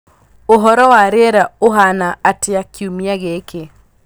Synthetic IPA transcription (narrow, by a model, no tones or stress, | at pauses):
oɦɔɾɔwaɾɪɛɾaoɦanaːtɪakʰjumiaɣekʰe